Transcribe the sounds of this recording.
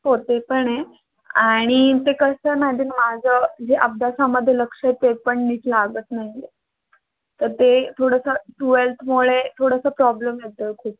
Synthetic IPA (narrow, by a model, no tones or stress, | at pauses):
ɦot̪epəɳe | aɽ̃it̪ekəsənad̪ʱiːnmad͡zʱəd͡ʑeʔəp̚d̪asaməd̪ʱːjeləkʂet̪epəɳnitlaɡət̪naɦie | t̪əɾt̪et̪ʰoɽəsəʈuʋelt̪ʰmoɭet̪ʰoɽəsəpɾɔbləmjet̪əːkʰuːp̚